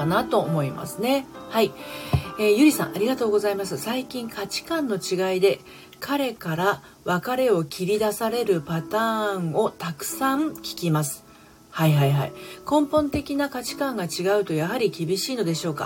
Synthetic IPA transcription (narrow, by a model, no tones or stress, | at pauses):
nat̪o̞ːmo̞ima̰sɨne̞hai | eːjɯ̟ɾʲisã̰ɴ̃ʔaɾʲiɡat̪o̞ːɡo̞zaimasɨsaikʲĩŋkʰat͡ɕi̥kãnːo̞t͡ɕiɡaid̪e̞ | kʰaɾe̞kaɾa | βakaɾe̞o̞kʲʰiɾʲid̪asaɾe̞ɾɯ̟pat̪ãːɴo̞t̪akɯ̟̥sãɰkʲi̥kʲimasɨ̥ | haiɦaiɦa̰ḭkõ̞mpõ̞nt̪e̞kʲinakat͡ɕi̥kãŋɡat͡ɕiɡaɯ̟t̪o̞jaɦaɾʲikʲibʲiɕiːno̞d̪e̞ɕo̞ːka̰